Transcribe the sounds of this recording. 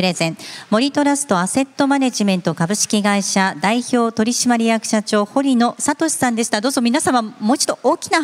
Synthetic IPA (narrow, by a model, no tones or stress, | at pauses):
ɾe̞zẽ̞ɴmo̞ɾʲit̪o̞ɾasɨ̥t̪o̞ase̞t̪ːo̞maneʑimẽ̞nt̪o̞kabɯ̟ɕi̥kʲiɡaiɕad̪aiço̞ːt̪o̞ɾʲiɕimaɾʲijakɯ̟̥ɕat͡ɕo̞ːho̞ɾʲino̞sat̪o̞ɕi̥sãnd̪e̞ɕi̥t̪ad̪o̞ːzo̞mʲinasãmamoit͡ɕi̥d̪o̞ʔoːkʲi̥na